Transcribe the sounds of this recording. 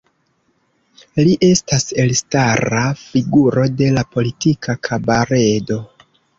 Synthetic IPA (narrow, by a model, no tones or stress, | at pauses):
liʔe̞stase̞lstaɾafiɡuɾo̞de̞lapo̞litikʰakʰabaɾe̞do̞